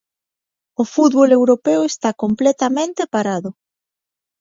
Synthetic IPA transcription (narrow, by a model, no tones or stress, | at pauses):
ofut̪βolewɾopewest̪akomplɛt̪amẽnt̪epaɾaðʊ